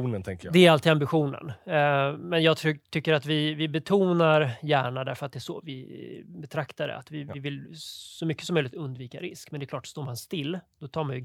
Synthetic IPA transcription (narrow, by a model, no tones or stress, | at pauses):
nənt̪ʰɛŋkəjd̪ɛæɾalt̪ʰiːd̪ambɪɧuːnə̰n | mɛnjɑːɡ̪ʰt̪ʰʏkːəɾat̪vɪvɪbɛt̪ʰuːnaɾjæːɳad̪æɾfœɾat̪̚d̪ɛæʂɔ̰ːvɪbɛt̪ʰɾakt̪aɖ̪ɛ̰a̰t̪vɪɪvɪlsɔmʏkːəsɔmœjlɪkt̪ɵnd̪viːkaɾɪskmɛnd̪ɛklɑːʈːst̪oːɾmanst̪ɪlːd̪̥ɔt̪ʰɑːɾmanjɵ